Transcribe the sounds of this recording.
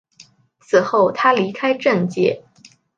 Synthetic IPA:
t͡sʰɹ̩˨˩xo˥˩ʊt̪ʰa˥li˧˥kʰa˥ɪʈ͡ʂə˥˧ŋt͡ɕjɛ̰˥˩

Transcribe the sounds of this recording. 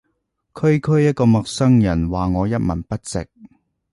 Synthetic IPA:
kʰɵ˥ɥkʰɵ˥ɥjɐ˥t̚kɔː˧mɔ˨k̚sɐ˥ŋjɐ˨˩nwaː˨ŋɔː˨˧jɐ˥t̚mɐ̰˨˩npɐ˥t̚t͡sɪ̰˨k̚

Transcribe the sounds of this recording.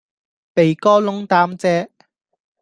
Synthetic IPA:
pe˨jkɔː˥lʊ˥ŋt̪aː˥mt͡sɛː˥

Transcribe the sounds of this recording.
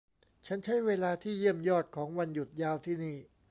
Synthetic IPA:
t͡ɕʰa˦˥nt͡ɕʰa˦˥jweː˧laː˧t̪ʰiː˥˩ji˥˩əmjɔː˥˩t̪̚kʰɔː˩˦ŋwa˧nju˨˩t̪̚jaː˧wt̪ʰiː˥˩niː˥˩

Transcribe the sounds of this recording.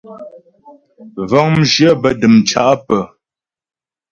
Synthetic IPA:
vɔ˦ŋm̩˦ʒjə˦bə˨dɨ˨mt͡ʃa̰˨ʔpə˨

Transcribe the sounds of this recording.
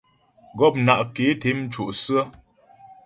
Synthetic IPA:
ɡɔ˦˨p̚na˨ʔke˨˦te˨˦m̩˦t͡ʃo˨ʔsɨ˦ə˦

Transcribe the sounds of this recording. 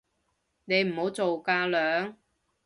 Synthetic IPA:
ne˨˧jm̩˨˩ho˨˥wt͡so˨wkaː˧lœː˨˥ŋ

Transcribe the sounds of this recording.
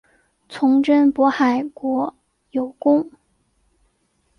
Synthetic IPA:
t͡sʰʊ˧˥ŋʈ͡ʂə˥npwɔ˧˥xa˨˩ɪkwɔ˧˥ | jo˨˩ʊkʊ˥ŋ

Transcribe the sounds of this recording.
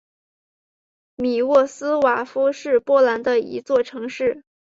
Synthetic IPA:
mi˨˩wɔ˥˩sɹ̩˥wa˨˩fu˥ʂɻ̩˥˧pwɔ˥la˧˥nd̪ə˧ḭ˧˥t͡swɔ˥˩ʈ͡ʂʰɤ˧˥ŋʂɻ̩˥˩

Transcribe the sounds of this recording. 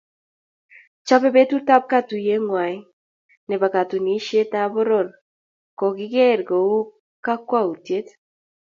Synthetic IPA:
t͡ʃa˦pɛ˦be˦tu˦ta˦p̚ka˦tu˨je˦ŋwa˨i˦ | nɛ˨ba˨ka˨tu˨ni˦ʃe˦ta˦bɔ˦ɾɔ˦˨ɾ | kɔ˨kɪ˦kɛ˦˨ɾɡo˨u˦ | ka˦kwa˦u˨tje˦t

